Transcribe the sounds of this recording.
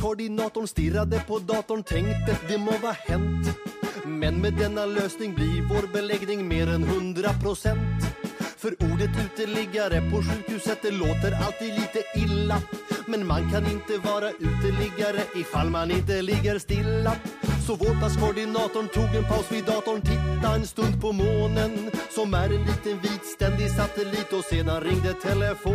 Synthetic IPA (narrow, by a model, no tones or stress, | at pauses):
kʰʊɖɪnɑːt̪ʊɳst̪ɪɾːad̪əpʰɔd̪ɑːt̪ʊɳt̪ʰɛŋkt̪ət̪d̪ɛmovɑːhɛnt̪ | mɛnmɛd̪ɛnːaløːsnɪŋblɪɾvoːɾbɛlɛɡnɪŋmeːɾɛnɦɵnd̪ɾapʰɾʊsɛnt̪fœɾuːɖət̪ʉ̟ːt̪əɭɪɡaɾəpʰɔɧʉ̟ːkhʉ̟ːsət̪̚d̪ɛloːt̪əɾa̰lt̪ʰiːd̪liːt̪əʔɪlːamɛnmankʰanɪnt̪əvɑːɾaʔʉ̟ːt̪əɭɪɡaɾəʔɪfalːmanɪnt̪əlɪɡːəɾst̪ɪlːasɔvoːt̪askʰʊɖɪnɑːt̪ʊɳt̪ʰuːɡɛnpʰaʊsvɪd̪ɑːt̪ʊɳt̪ʰɪt̪ːaɛnst̪ɵnd̪̚pʰɔmoːnənsɔmæɾɛnliːt̪ənviːd̪st̪ɛnd̪ɪsat̪əliːt̪ɔseːnanɾɪŋd̪ət̪ʰɛləfoː